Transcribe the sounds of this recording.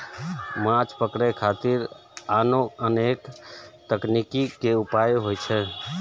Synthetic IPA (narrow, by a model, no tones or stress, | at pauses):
mãt͡ʃpəkɽɛkʰat̪iɾ | anoənekt̪əknikikeupajɦojt͡ʃʰɛ